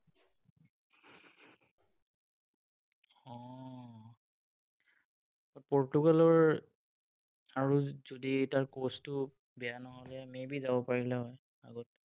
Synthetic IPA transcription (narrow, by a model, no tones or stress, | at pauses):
ɔ | ɡɔt̚pɔɹtuɡalɔɹ | aɹuzoditaɹkostʊ | bɛjanɔɦɔlɛmebizabɔpaɹilɛɦɔj | aɡɔt